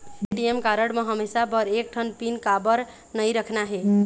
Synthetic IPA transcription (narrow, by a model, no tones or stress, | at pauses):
ɖiemkaɾəɽmeɦəmesapəɾek̚ʈʰənpinkabəɾ | nəjɾəkʰnaɦe